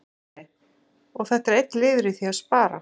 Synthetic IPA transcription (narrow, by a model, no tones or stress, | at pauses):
ɔɣθɛht̪ɛɾejt̪ːlɪːðɾɪθiaðspaːɾa̰